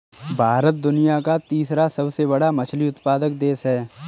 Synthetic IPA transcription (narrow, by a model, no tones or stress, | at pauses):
bʱaːɾət̪̚d̪ʊnijakat̪iːsɾasɐbsebɐɽamɐt͡ʃʰliʊt̪paːd̪ək̚d̪eːsɦɛː